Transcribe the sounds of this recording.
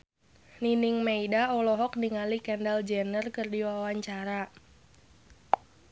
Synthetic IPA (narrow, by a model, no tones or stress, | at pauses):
ninɪŋmeidaɔlɔɦɔk̚niŋalikɛndald͡ʒɛnərkɨrdiwawaɲt͡ʃaɾa